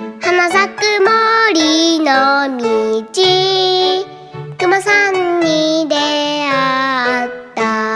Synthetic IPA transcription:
hanas̬akɯmɔɾinɔmid͡ʑi | kɯmasanɲidea | t͈a

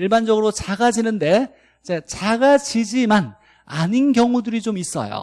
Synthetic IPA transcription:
iɭband͡ʑʌɡɯɾot͡ɕaɡad͡ʑinɯnde̞ | id͡ʑe̞t͡ɕaɡad͡ʑid͡ʑiman | a̰ɲinɡjʌŋudɯɾit͡ɕomis͈ʌ̰jo̰

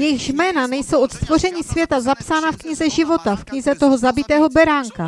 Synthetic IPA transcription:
jɛjɪɣʒmɛːnanɛjso̞wʔot̪st̪vo̞r̝ɛɲiːsvjɛt̪azapsaːnafkɲɪzɛʒɪvo̞t̪afkɲɪzɛt̪o̞ɦo̞zabɪt̪ɛːɦo̞bɛɾaːŋka

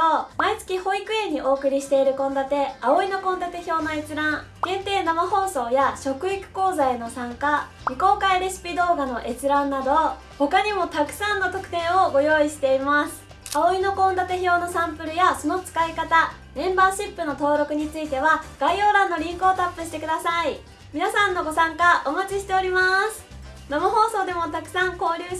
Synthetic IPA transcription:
omait͡sɨ̥kʲiho̞ikɯ̟ẽ̞ɲ̟ːiʔo̞ːkɯ̟ɾʲiɕi̥t̪e̞iɾɯ̟kõ̞nd̪at̪e̞ao̞ino̞kõnd̪at̪e̞ço̞ːnoe̞t͡sɨɾãŋ | ɡẽ̞nt̪e̞ːnamaho̞ːso̞ːjaɕo̞kɯ̟ikɯ̟̥ko̞ːzaeno̞sãŋka | ɲʲiko̞ːkaiɾeɕi̥pʲid̪o̞ːɡano̞ʔe̞t͡sɨɾãnːad̪o̞ | ho̞kaɲ̟imo̞t̪akɯ̟̥sãnːo̞t̪o̞kɯ̟̥t̪ẽ̞ɰ̃o̞ɡo̞jo̞ːiɕi̥t̪e̞imasɨ̥ | aoino̞kõ̞nd̪at̪e̞ço̞ːno̞sãmpɯ̟ɾɯ̟jaso̞no̞t͡sɨ̥kaikat̪a | nẽ̞mbaːɕipːɯ̟no̞t̪o̞ːɾo̞kɯ̟ɲ̟it͡sɨit̪e̞βaɡ̥aio̞ːɾãnːo̞ɾʲĩŋkoːt̪apːɯɕi̥t̪e̞kɯ̟d̪asai | mʲinasãnːo̞ɡo̞sãŋkaʔomat͡ɕiɕi̥t̪e̞o̞ɾʲimasɨ̥ | namaɦo̞ːso̞ːd̪e̞mo̞t̪akɯ̟̥sãŋko̞ːɾʲɯː

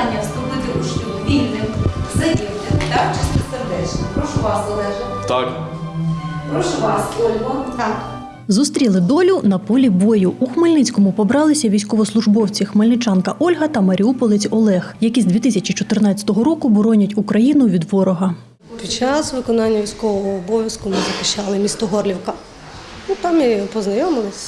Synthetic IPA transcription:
nʲːɐwst̪ʊlɪt̪ʲiɾʊʃtʲiɔbʲilʲnɪxzɐdʲiwnʲɐt̪awt͡ʃɪsʲiserd̪ɛt͡ʃnɔpɾɔʃʊʋɑszɐlˠɛʒɪt̪ɑk | pɾɔʃʊʋɑsɔlʲɦɔt̪ɑk | zust̪ɾʲilˠɪd̪ɔlʲʊnɐpɔlʲibɔjʊːxmelʲnɪt͡sʲkɔmʊpɔbɾɑlˠɪsʲɐʋʲijsʲkɔʋɔslˠʊʒbɔwt͡sʲixmelʲnɪt͡ʃɑnkɐʔɔlʲɦɐt̪ɐmɐɾʲiupɔlˠɪt͡sʲɔlˠɛxjɐkʲizʲd̪ʲit̪ɪsʲɐt͡ʃʲit͡ʃɔt̪ɪrnɑt͡sʲɐ̥t̪ɔɦɔɾɔkʊbɔɾɔnʲɐtʲukɾɐjinʊʋʲid̪ʋɔɾɔɦɐ | pʲit͡ʃɑsʋɪkɔnɑnʲːɐʋʲijsʲkɔʋɔɦɔːbɔʋʲjɐskʊmɪzɐxɪ̥ʃt͡ʃɑlˠɪmʲist̪ɔɦɔrlʲiwkɐ | nut̪ɑmipɔznɐjɔmɪlˠɪsʲ

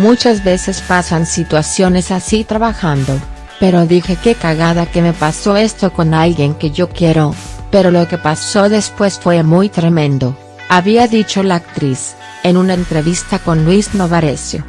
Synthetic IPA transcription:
mut͡ʃazβe̞se̞spasansit̪wasjo̞ne̞sasit̪ɾaβaxand̪o̞ | pe̞ɾo̞ðixe̞ke̞kaɣaðake̞me̞paso̞e̞st̪o̞ko̞nalɣje̞ŋke̞ʝo̞kje̞ɾo̞pe̞ɾo̞loke̞paso̞ðe̞spwe̞sfwe̞mujt̪ɾe̞mẽ̞nd̪o̞ | aβiaðit͡ʃo̞laːk̚t̪ɾis | e̞nunaent̪ɾe̞βist̪ako̞nlwizno̞βaɾesjo̰

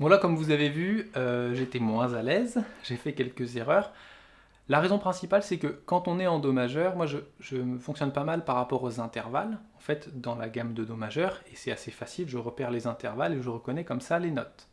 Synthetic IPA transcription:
vwalakɔmvuzavevyøʒet̪ɛmwɛ̃zalɛzʒ̥efɛkʲɛlkəzeʁœːʁ | laʁezɔ̃pχɛ̃sipalsɛkəkɑ̃t̪ɔ̃nɛɑ̃d̪ɔmaʒœʁmwaʒəʒəməfɔ̃ksjɔnpamalpaʁːapɔʁozɛ̃t̪ɛʁva̰lɑ̃fɛt̪d̪ɑ̃laɡamd̪əd̪ɔmaʒœʁesɛt̪asefasilʒəʁəpɛʁlezɛ̃t̪ɛʁvaleʒəʁəkɔnɛkɔmsalenɔt̪

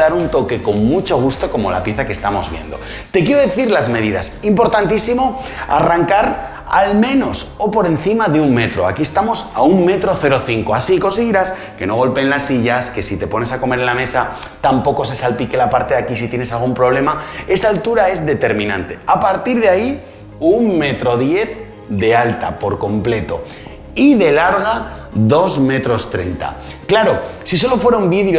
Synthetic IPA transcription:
aɾunt̪o̞ke̞ko̞ŋmut͡ʃo̞ɣ̞ust̪o̞ko̞mo̞̰la̰pje̞θake̞st̪amo̞zβje̞̰nd̪o̞̰ | t̪e̞kje̞ɾoðe̞θiɾlazme̞ðiða̰simpo̞ɾt̪ant̪isimo̞ | a̰raŋkaɾ | a̰lmẽ̞no̞so̞po̞ɾe̞nθimaðeuŋme̞t̪ɾo̞a̰kie̞st̪amo̞sa̰umme̞t̪ɾo̞θe̞ɾo̞θiŋko̞asiko̞nsiɣiɾas | ke̞no̞ɣo̞lpenlasːiʎaske̞sit̪e̞po̞ne̞sako̞me̞ɾenlame̞sa | t̪ampo̞ko̞se̞salpike̞lapaɾt̪e̞ðakis̬it̪je̞nesalɣumpɾo̞β̞le̞mae̞saːlt̪uɾae̞zðe̞t̪e̞ɾmĩnãnt̪e̞apaɾt̪iɾðeai | uŋme̞t̪ɾo̞ðje̞θ | d̪e̞alt̪a̰po̞ɾko̞mple̞t̪o̞ | iðe̞laɾɣ̞a | ðo̞zme̞t̪ɾo̞st̪ɾe̞̰nt̪a̰ | klaɾo̞siso̞lo̞fwe̞ɾaumbiðɾjo

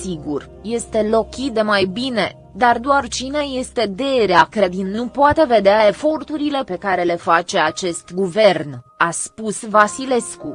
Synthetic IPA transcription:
siɡur | je̞st̪e̞lo̞kʲit̪̚d̪e̞majbine̞ | d̪ard̪oart͡ʃine̞je̞st̪e̞d̪e̞ɾeakɾed̪innupoat̪e̞ve̞d̪eae̞fo̞rt̪uɾile̞pe̞kaɾe̞le̞fat͡ʃe̞at͡ʃe̞st̪ɡuve̞rn | aspusvasile̞sku

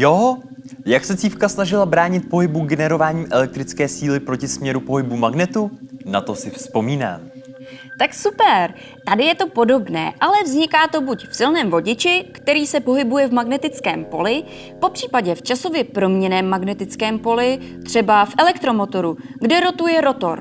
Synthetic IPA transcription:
jo | jaksɛt͡siːfkasnaʒɪlabɾaːɲɪt̪̚po̞ɦɪbuɡɛnɛɾo̞vaːɲiːʔɛlɛk̚t̪ɾɪt͡skɛːsiːlɪpɾo̞cɪsmɲɛɾupoɦɪbumaɡnɛt̪unat̪o̞sɪfspo̞miːna̰ːm | t̪aksupɛɾ | t̪adɪjɛt̪o̞po̞do̞bnɛ̰ːʔalɛvzɲɪkaːt̪o̞bucfsɪlnɛːmvo̞ɟɪt͡ʃɪkt̪ɛɾiːsɛpo̞ɦɪbujɛvmaɡnɛt̪ɪt͡skɛːmpo̞lɪ | po̞pr̝̥iːpaɟɛft͡ʃaso̞vjɛpɾo̞mɲɛnɛːmːaɡnɛt̪ɪt͡skɛːmpo̞lɪ | t̪r̥ɛbafʔɛlɛkt̪ɾo̞mo̞t̪o̞ɾuɡdɛɾo̞t̪ujɛɾo̞t̪o̞̰ɾ

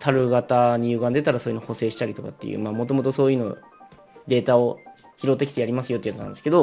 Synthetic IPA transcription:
t̪ʰaɾɯ̟ɡat̪aɲ̟ijɯ̟ːɡãnd̪e̞t̪aɾaso̞ːjɯ̟noho̞se̞ːɕi̥t̪aɾʲit̪o̞ka̰t̪ːe̞̰jɯ̰ːmaːmo̞t̪̬o̞mo̞t̪o̞so̞ːjɯːno̞̰ | d̪e̞ːt̪ao̞ | çiɾo̞t̪ːekʲi̥t̪ejaɾʲimasɨjot̪ːeijat͡sɨnã̰nd̪sɨ̥ked̪o̞

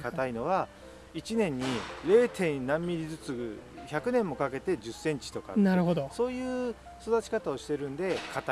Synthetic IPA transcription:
kat̪aino̞β̞a | it͡ɕinẽ̞ɲ̟ːiɾe̞ːt̪ʰẽ̞nnãmːʲiɾʲizɨt͡sɨçakɯ̟nẽ̞mːo̞kake̞t̪e̞d͡ʑɨsẽ̞ɲt͡ɕi̥t̪o̞ka̰naɾɯɦod̪oso̞ːjɯ̟ː | so̞d̪at͡ɕi̥kat̪ao̞ɕi̥t̪e̞ɾɯ̟̃nd̪e̞kʰat̪a

